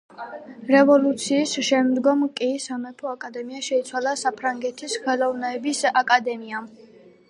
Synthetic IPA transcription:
ɾɛvɔlˠut̪sʰiːsʃɛmd̪ɡɔmkʼisamɛpʰɔakʼad̪ɛmiaʃɛit̪sʰwalˠasapʰɾaŋɡɛt̪ʰisχɛlˠɔvnɛːbisakʼad̪ɛmiam

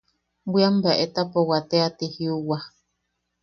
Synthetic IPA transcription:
biambaʔet̪apowat̪eat̪ihiuwa

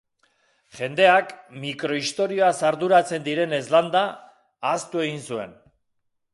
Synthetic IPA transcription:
ʝe̞nd̪e̞akmikɾo̞ist̪o̞ɾio̞asaɾðuɾat͡se̞nd̪iɾe̞ne̞zland̪aː | st̪ue̞ɣinsue̞n

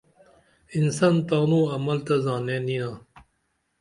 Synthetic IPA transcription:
insant̪aːnõːɐmɐlt̪azãːnẽːninãː

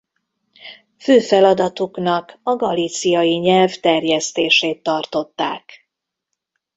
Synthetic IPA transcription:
føːfɛlɒd̪ɒt̪uknɒkɒɡɒliːt̪sijɒjiɲɛlvt̪ɛrjɛst̪eːʃeːt̪ːɒrt̪o̞t̪ːa̰ːk

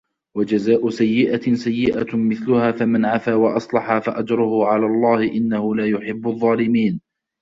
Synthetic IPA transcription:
wad͡ʒazaːʔʊsajːɪʔasajːɪʔamɪθlʊhaːfamanʕafaːwɑʔɑsˤlɑħaːfaʔad͡ʒɾˤʊhʊʕalaːlˤːɑːhɪʔɪnːahʊlaːjʊħɪbːʊðˤːɑːlɪmiːn

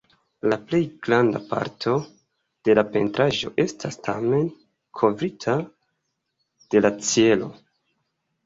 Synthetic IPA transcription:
laple̞jɡɾandapa̰ɾtʰo̞ | d̥e̞lape̞̰ntɾaʒo̞̰ʔe̞stʰastʰa̰me̞n | kʰo̞vɾitʰa | d̥e̞lat͡sie̞lo̞̰

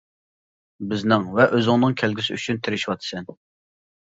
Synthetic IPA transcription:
bɪznɪŋvɛʔøzɪŋnɨŋkʲʰælɡʲisɪy̰t͡ʃʰynt̪ʰɪɾɪʃiwɑt̪ʰɨ̥sɛn

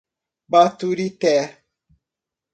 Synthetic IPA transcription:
batuɾitɛ

